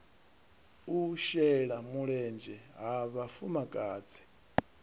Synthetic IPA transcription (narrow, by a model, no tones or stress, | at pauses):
uʃɛɺamuɺɛnd͡ʒɛɦaβafumakʼaːt͡sʰɛ̥